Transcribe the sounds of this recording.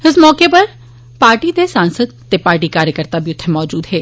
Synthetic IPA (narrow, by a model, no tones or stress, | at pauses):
ɪsmɔːkepɐɾ | paːɾʈid̪esãːnsəd̪̚t̪epaːɾʈikaːɾjəkəɾt̪abʱiʊt̪ʰːemɔːd͡ʒuːd̪ɦɛː